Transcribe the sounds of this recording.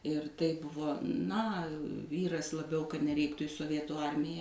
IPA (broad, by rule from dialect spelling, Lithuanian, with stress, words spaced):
ɪr tɐɪ ˈbʊʋoː ˈnɐ ˈʋʲiːrɐs lˠɐˈbʲɛʊ kɐt nʲɛˈrʲɛɪktʊ ɪ soːˈʋʲiɛtuː ˈɐrʲmʲɪjɛ